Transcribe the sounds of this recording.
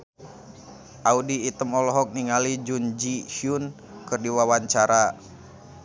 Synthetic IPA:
ʔaudiːt̪əmɔlɔɦɔk̚niŋalid͡ʒund͡ʒiʃiun | kɨrdiwawaɲt͡ʃaɾa

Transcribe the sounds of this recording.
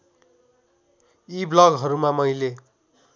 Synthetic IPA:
iblʌɡɦʌɾumamʌjle

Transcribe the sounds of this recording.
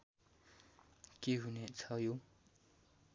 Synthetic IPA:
keɦunet͡sʰajo

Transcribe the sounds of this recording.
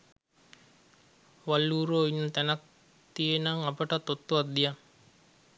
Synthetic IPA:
ʋalːuːɾoinːət̪ænak̚ | t̪ijenaŋapəʈat̪ːot̪ːuʋat̪̚d̪ijaŋ

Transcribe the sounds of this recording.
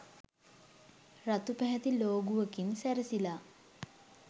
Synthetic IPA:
rat̪upæɦɛt̪iloːɡuʋəkinsæɾəsila

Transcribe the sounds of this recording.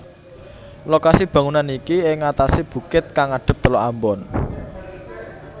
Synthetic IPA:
lokasib̥ä̤ŋunanikiɪŋːat̪asib̥ṳkɪt̪̚kaŋaɖ̥ə̤p̚t̪əlɔambɔn

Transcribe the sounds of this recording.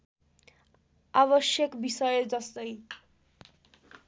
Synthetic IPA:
aβʌsjʌkbisʌjʌd͡zʌst̪ʌj

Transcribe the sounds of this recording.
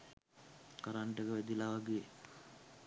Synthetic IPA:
kaɾaɳʈekəʋed̪ilaʋaɡie

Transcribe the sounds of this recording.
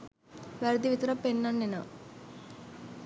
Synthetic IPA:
ʋɐɾd̪iʋit̪ɾɐpːenːɐnːinɐ

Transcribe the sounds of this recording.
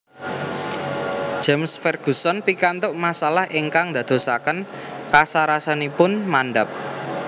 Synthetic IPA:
d͡ʒ̥amsfɛrɡ̥ṳsɔnpikant̪ʊʔmasalahʔiŋkaŋd̪a̤d̪̥o̤sakən | kasaɾasanipʊnmanɖəp̚

